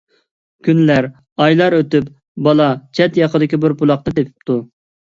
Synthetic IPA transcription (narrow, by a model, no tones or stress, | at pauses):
kʲʰynlæɾ | ɑjlˠɑɾøt̪yp | bɑlˠɑt͡ʃʰɛt̪jɑqəd̪ɪkʲibɪɾbulˠɑq̚t̪ɑt̪epʰɪ̥pt̪ʰu